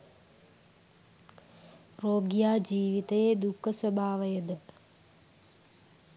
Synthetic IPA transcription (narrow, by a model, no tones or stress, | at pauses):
roːɡjaːd͡ʒiːʋit̪ɐjed̪ukʰːəswɐbʱaːʋɐjəd̪ə